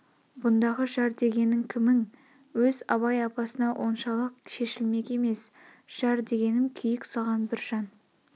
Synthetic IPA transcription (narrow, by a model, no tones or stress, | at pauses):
bʊnd̪ɑʁəʒɑɾd̪e̞ɡʲe̞nɪŋkʲʰɪmɪŋ | wɵzɑ̰βɑjɑpɑsənɑwʔo̞nʃɑlˠəqʃe̞ʃɪlme̞kʲe̞me̞s | ʒ̥ɑɾd̪e̞ɡʲe̞nɪmkʲʰʏjɪksɑʁɑnbɪɾʒ̥ɑn